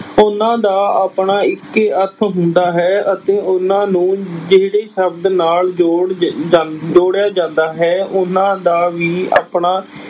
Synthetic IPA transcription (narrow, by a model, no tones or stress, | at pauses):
ʊnãːd̪aːaːpɳaːɪkːət̪ʰɦʊnd̪aːɦɛːət̪ẽːʊnãːnũːd͡ʒeːɽeːʃəbd̪naːld͡ʒoɽ | d͡ʒoːɽjaːd͡ʒãːnd̪aːɦɛːʊnãːd̪aːʋiːa̰ːpɳaː